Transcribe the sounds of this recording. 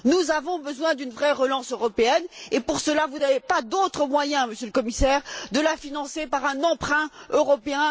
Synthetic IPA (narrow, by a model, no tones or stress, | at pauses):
nuzavɔ̃bəzwɛ̃d̪ynvʁɛʁəlɑ̃søʁɔpeɛnepuʁsəlavunavepad̪ot̪χəmwajɛ̃məsjøləkɔmisɛːʁd̪əlafinɑ̃sepaʁɛ̃nɑ̃pχɛ̃øʁɔpeɛ̃